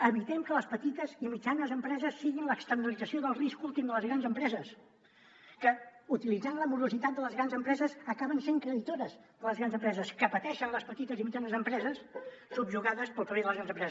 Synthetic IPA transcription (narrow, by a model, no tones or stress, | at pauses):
əβit̪ɛmkələspət̪it̪əzimid͡ʒanəzəmpɾɛzəsːiɣinləkst̪ərnəlid͡zəsioðəlˠriskulˠt̪imd̪ələzɣɾanzəmpɾɛzəs | kəut̪ilid͡zanləmuɾuzit̪at̪̚d̪ələzɣɾanzəmpɾɛzəzəkaβənseŋkɾəðit̪oɾəzðələzɣɾanzəmpɾɛzəskəpət̪ɛʃənləspət̪it̪əzimid͡ʒanəzəmpɾɛzəssubʒuɣaðəspəlˠpəβeðələzɣɾanzəmpɾɛz